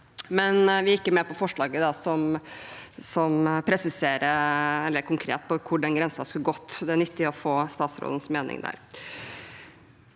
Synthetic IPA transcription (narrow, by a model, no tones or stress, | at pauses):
mɛnʋɪjɪkːəɾmɛːpɔfɔʂɭɑːɡəd̪ɑsɔm | sɔmpʰɾɛsɪseːɾəɛlːəɾkʰʊŋkʰɾḛːt̪pʰɔkʰʊɖɛnɡɾɛnsnɑskʉlɡɔt̪ːd̪ɛæɳʏt̪ːɪɔfoːst̪ɑːt̪sɾo̰ːd̪ən̩smeːnɪ̰ŋd̪æ̰ɾ